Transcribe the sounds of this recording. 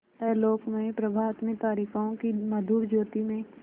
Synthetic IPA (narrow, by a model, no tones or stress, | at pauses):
ɛːloːkmẽpɾəbʱaːt̪mɪt̪aːɾikaõkimɐd̪ʱuːɾd͡ʒoːt̪imẽ